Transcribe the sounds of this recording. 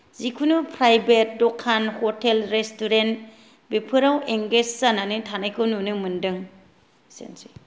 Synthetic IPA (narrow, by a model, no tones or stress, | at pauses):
zikʰunupʰɾajbet̚dɔkʰanhɔtelɾestuɾent | bepʰɯɾaweŋɡessananɯtʰanajkʰɯwnunɯmɯndɯŋ | sḛnsi